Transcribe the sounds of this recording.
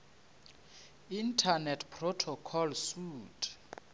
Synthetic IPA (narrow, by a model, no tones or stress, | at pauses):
intʰanɛtʰpʰrɔtʰɔkʰɔlsuːtʰʼ